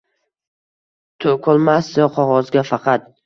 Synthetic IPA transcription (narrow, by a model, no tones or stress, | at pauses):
t̪ʰokʰɒlˠmasɪqʰɒʁɒzɡʲafɑqʰɑt̪̚